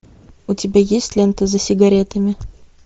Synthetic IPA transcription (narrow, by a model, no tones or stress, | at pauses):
ʊtʲɪbʲajesʲtʲlʲɛnt̪əzəsʲɪɡɐɾʲet̪əmʲɪ